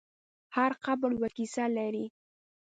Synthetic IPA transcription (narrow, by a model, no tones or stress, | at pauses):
haɾqabəɽwakisalaɾi